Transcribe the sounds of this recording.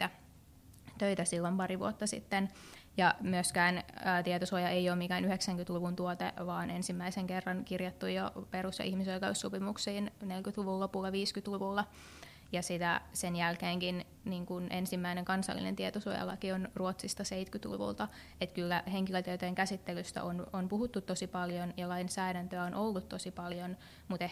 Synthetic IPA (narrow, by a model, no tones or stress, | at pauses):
t̪ːæ | t̪øit̪æsilːompɑriʋṵot̪ːɑsḭt̪ːenjɑmyøskæːnːt̪iet̪osuojɑʔeijoːmikæːnyheksæŋkyt̪luʋunt̪uot̪ḛʋɑːnensimːæiseŋkerːɑnkirjɑt̪ːujjoperusjɑ̰ʔihmisoikeusːopimuksiːnnelkyt̪luʋulːopulːɑʋiːskyt̪luʋulːɑ | jɑsit̪æsenjælkeːŋkin | niːŋkunʔensimːæineŋkɑnsɑ̰lːḭnḛnt̪iet̪osuo̰jɑ̰lːɑ̰kionruot̪sist̪ɑseit̪kyt̪lṵʋṵlt̪ɑ | et̪kylːæheŋkiløt̪øt̪ojeŋkæsit̪ːelyst̪æ̰ʔononpuhut̪ːut̪tosipɑljonjɑlɑinsæːdænt̪øæonʔolːut̪t̪osipɑljon | mut̪e